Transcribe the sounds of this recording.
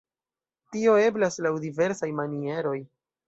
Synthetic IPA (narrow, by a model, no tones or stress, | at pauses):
tio̞e̞blaslawdive̞ɾsajmanie̞ɾo̞j